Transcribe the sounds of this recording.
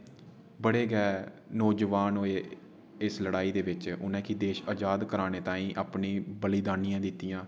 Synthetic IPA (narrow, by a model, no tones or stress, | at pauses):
bəɽeːɡɛː | nɔːd͡ʒʋaːnɦoːeː | ɪsləɽaːiːd̪eːʋɪt͡ʃʊnɛ̃ːkid̪eːʃaːd͡ʒaːd̪kəɾaːneːt̪ãːĩːʔaːpniːbəliːd̪aːnijãːd̪ɪt̪ːijãː